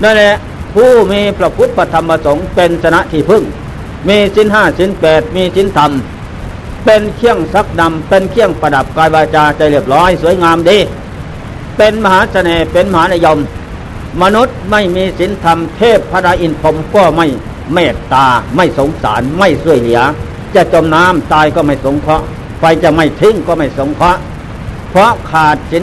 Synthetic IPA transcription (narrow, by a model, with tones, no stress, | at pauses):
na˧˨nlɛ˧˥ʔ | pʰuː˧˩miː˧pʰɾa˧pʰu˦˥t̪̚pʰa˧˩t̪ʰa˧mpa˧so˨˦ŋpe˧nsa˧na˧˥ʔt̪ʰiː˧˩pʰɯ˧˩˨ŋ | miː˧si˨˦nɦaː˧˩si˨˦npɛː˨˩t̪̚miː˧si˨˦nt̪ʰa˧m | pe˧nkʰi˧˥˩əŋsa˧˦˥k̚na˧mpe˧nkʰi˧˥˩əŋpa˧da˨˩p̚kaː˧jwaː˧t͡ɕaː˧t͡ɕa˧˩jli˧˩əp̚lɔː˦˥˨jsu˨˩˦əjŋaː˧mdiː˧˩ | pe˧nma˧ɦaː˨˦˥sa˧nɛː˨˧pe˧nma˧haː˨˦˥na˧˨jɔ˧mː | a˧nu˧˦˥t̪̚ma˥˩jmiː˧si˨˦nt̪ʰa˧mt̪ʰeː˥˩pʰːa˧˥daː˧ʔi˧npʰo˧mkɔː˧˩ma˧˥˩j | mɛː˧˩t̪ːaː˧ma˥˩jso˨˦ŋsa̰ː˨˩˦nma˥˩jsu˧˩əjli˨˩˦ɐ | t͡ɕa˧˩t͡ɕo˧mnaː˦˥˨mt̪aː˧jkɔː˧˩ma˥˩jso˨˦ŋkʰɔ˦˥ʔ | fa˧jt͡ɕa˧ma˧˥˩jt̪ʰɯ˧˥˨ŋkɔː˧˩ma˥˩jso˨˦ŋkʰɔ˦˥ʔ | pʰɔ˧˥ʔkʰaː˨˩t̪̚si˨˦